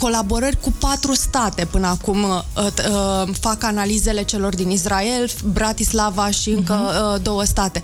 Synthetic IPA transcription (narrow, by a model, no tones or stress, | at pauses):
ko̞labo̞ɾərʲkupat̪ɾust̪at̪e̞pɨnəakum | fakanalize̞le̞t͡ʃe̞lo̞rd̪inisɾae̞lbɾat̪islavaʃiɨŋkəd̪o̞wəst̪at̪e̞